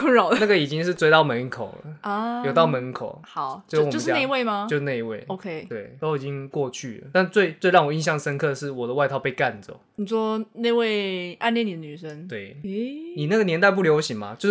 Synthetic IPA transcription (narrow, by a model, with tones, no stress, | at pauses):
kʊ˥ŋɻɑ˨˩ʊd̪ə˧na˥˩ɡə˨i˨˩t͡ɕi˦ŋʂɻ̩˥˧t͡swe˥ɪt̪ɑ˥˩ʊmə˧˦n˥ŋkʰo˨˩ʊlə̰˦jo˨˩t̪ɑ˥˩ʊmə˧˦n˩kʰo̰˨˩ʊxɑ˨˩˦ʊwjo˥˧˥ne˥˧we˥˩ɪma˧jʊʂ̩˥˩na˥˧ɪi˧˥wḛ˥˩ɪo˧kʰe˦ɪt̪we˥˩ɪt̪o˥ʊi˨˩t͡ɕi˦ŋkwɔ˥˧t͡ɕʰy˥˩lə̰˩t̪a˥˧nt͡swe˥˧ɪt͡swe˥˧ɻɑ˥˩ŋwɔ˩i˥˧nɕjɑ˥˩ŋd̪ə˩ʂə˦nkʰɤ˥˧ʂɻ̩˥˩wɔ˨˩d̪ə˦wa˧ɪt̪ʰɑ˥˧ʊpe˥˧ɪka˥˨nd͡zə̰˨˩ | ni˨˩ʂwɔ˥ne˥˧ɪwe˥˧ɪʔa˥˧nljɛ˥˨ni˨˩d̪ə˧˩ny˨˩ʂə˥˦nt̪we˥˩ɪni˨˩na˥˩ɡə˨njɛ˧˥nt̪̬a˥ɪp̬u˥˩ljo˧˥ʊɕi˨˩ŋma̰˦t͡ɕj